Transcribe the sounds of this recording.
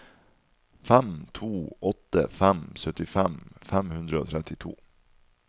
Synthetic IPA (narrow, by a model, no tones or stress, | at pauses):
fɛmt̪ʰuːʔɔt̪ːə̰fɛmsœt̪ːɪfɛmfɛmhɵnd̪ɾaɔt̪ʰɾɛt̪ːɪt̪ʰṵː